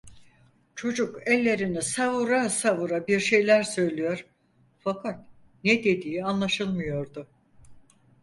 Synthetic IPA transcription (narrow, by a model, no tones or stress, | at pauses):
t͡ʃʰo̞d͡ʒukɛlʲːe̞ɾinisavuɾasavuɾabiɾʃe̞jlʲæɾsø̞jlʲijo̞ɾ | fakʰat̪̚ | nɛd̪e̞d̪iːianlˠaʃɯlˠmɯjo̞ɾd̪ʊ